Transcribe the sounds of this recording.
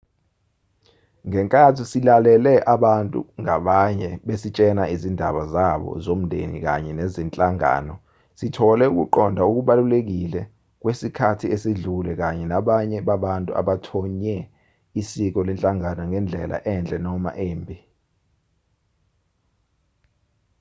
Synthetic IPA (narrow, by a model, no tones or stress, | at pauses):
ŋɛŋkʼatʰisilalɛlɛʔaɓantʼṵŋaɓaɲɛɓesit͡ʃʼɛnaizindʱa̰ɓazaɓɔ̰zom̩ndʱḛnḭk̬a̰ɲɛnezint͡ɬʼaŋa̰nɔ | sitʰɔlɛuk̬ṵǃɔndʱauk̬uɓalulek̬ilɛ | k̬wesikʰatʰiesiɮulɛk̬aɲɛnaɓaɲɛɓaɓantʼṵʔa̰ɓatʰɔɲɛ | isik̬ɔlɛnt͡ɬʼaŋanɔŋɛnd͡ɮʱɛlʔa̰ʔɛnd͡ɮʼɛnɔma̰ʔeːmbʱi